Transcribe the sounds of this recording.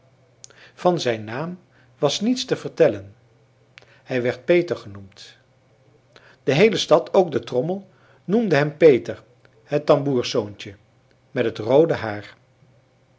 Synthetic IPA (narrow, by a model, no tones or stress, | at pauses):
v̥ɑnzɛjnːaːm | ʋɑsnitstəvəɹtɛlən | hɛjʋɛɹt̚pejtəɹχənumt | d̥əɦejləstɑtʰowɡ̚dətrɔməlˠ | numdəɦɛmpejtəɹ | ɦətːɑmbuːɹsownt͡ʃə | mɛtɦətrowdəɦaːɹ